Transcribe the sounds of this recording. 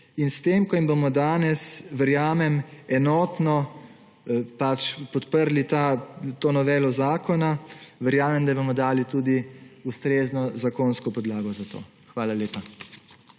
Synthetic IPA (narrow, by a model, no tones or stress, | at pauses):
inst̪eːmkɔjimbomɔd̪aːnɛsʋəɾjaːmɛmɛnɔːt̪nɔ | pat͡ʃpɔt̪pəɾlit̪at̪oːnɔʋɛːlɔzaːkɔnaʋəɾjaːmɛmd̪abomɔd̪aːlit̪uːd̪iust̪ɾeːznɔzakonskɔpɔd̪laːɡɔzat̪o̰ː | xʋaːlaleːpa